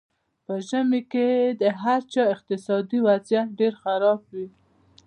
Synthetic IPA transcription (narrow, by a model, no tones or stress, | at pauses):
pəʒəmeked̪əɦaɾt͡ʃɑɪq̚t̪ɪsɑd̪iwazjat̪̚ɖeɾxaɾɑbwi